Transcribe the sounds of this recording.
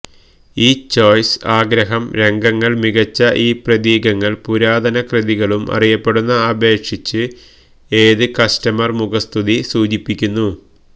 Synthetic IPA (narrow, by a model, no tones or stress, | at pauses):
iːt͡ɕo̞ːjsaːɡɾɐɦɐmɾe̞ŋɡɐŋːɐɭmiɣɐt͡ɕːɐʔiːprɐðiːɡɐŋːɐɭpuɾaːd̪ʱɐnɐkrɨðiɣɐɭumʔɐ̰rijɐpːe̞ɽunːɐːbe̞ːkʂit͡ɕːɨ | eːðɨkɐstɐmɐrmuɣɐst̪ʰuðisuːd͡ʑipːikʲːunːu